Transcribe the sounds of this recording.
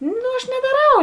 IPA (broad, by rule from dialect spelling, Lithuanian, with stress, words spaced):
noː ɐʃ nʲɛdɐˈrɐʊ